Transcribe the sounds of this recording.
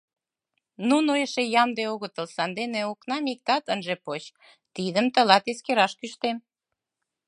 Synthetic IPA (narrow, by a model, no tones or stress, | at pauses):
nunoeʃejɑmd̪eoɣət̪əlsɑnd̪eneoknɑmik̚t̪ɑt̪ənʒepot͡ɕ | t̪id̪əmt̪əlɑt̪eskeɾɑʃkyʃt̪en